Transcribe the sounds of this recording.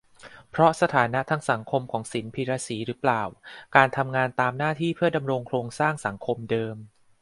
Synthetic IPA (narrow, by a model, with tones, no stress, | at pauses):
pʰɾɔ˦˥sa˧t̪ʰaː˩˦na˦˥t̪ʰaː˧ŋsa˩˦ŋkʰo˧mkʰɔː˩˦ŋsi˩˦npʰiː˧ɾaː˧siː˩˦ɾɯː˩˦˥plaː˨˩wkaː˧nt̪ʰa˧mŋaː˧nt̪aː˧mnaː˥˩t̪ʰiː˥˩pʰɯ˥˩ɐda˧mɾo˧ŋkʰloː˧ŋsaː˥˩ŋsa˩˦ŋkʰo˧mdɤː˧m